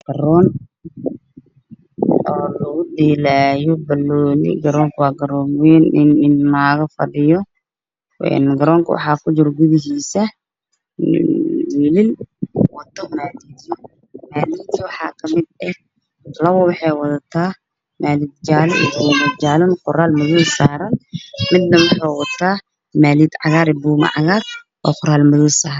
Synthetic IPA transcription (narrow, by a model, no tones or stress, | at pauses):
ɡ̥ɐɾɔːn | ɔːlɐɣʊd̪ɛːlaːjɔbɐlɔːlḭɡɐɾɔːŋkʰʊwɑːɡɐɾɔːminɪnɪnmaːɣɐfɐɖɪjɔ | ʔɛ̰nɡɐɾɔːŋkʰɐ̰wɑ̰ħɑːkʰʊt͡ʃɪrɡʊðɪɦiːsɐ | wɪlɪlwɐt̪ʰːɔmaːliːt̪ʰː | maːliːt̪ʰiwɑħɑːkʰɐmɪd̪ɛ | lɐwɔwɑħɛjwɐðɐt̪ʰaː | maːliːd̪̚d͡ʒaːlɔḭumɐd̪d͡ʒaːlɔnqʊɾaːlmʊðuːsaːɾɐnmɪd̪nɐwɑħɑjwɐt̪ʰːaː | maːliːd̪ʕɑ̰ɣaːɾɪbuːmɐ̰ʕɑ̰ɣaːr | ʔɔ̰ːqʊɾaːlmʊðusaːɾɐn